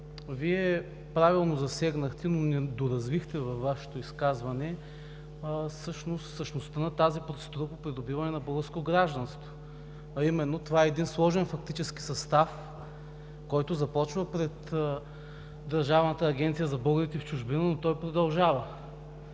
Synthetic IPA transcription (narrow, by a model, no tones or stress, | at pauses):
viɛ | pɾavilˠnozɐsɛɡnɐxt̪ɛnonɛd̪oɾɐzvixt̪ɛvɐfːaʃɛ̥t̪oiskazvɐnɛ | sɤʃnost̪fsəʃnost̪ənɐt̪azipɾot̪sɛd̪uɾəpopɾid̪obivɐnɛnɐbɤlˠɡəɾskot̪oɡɾaʒd̪ɐnst̪vo | ɐimɛnːot̪ovaɛɛd̪inslˠɔʒɛnfɐk̚t̪it͡ʃɛski̥sɐst̪af | kɔjt̪ʊzɐpɔt͡ʃvəpɾɛt̪ | d̪ɐɾʒavnət̪əːɡʲɛnt̪sijəzɐbɤɡəɾit̪ɛft͡ʃuʒbinənot̪ɔjpɾod̪ɐlˠʒavə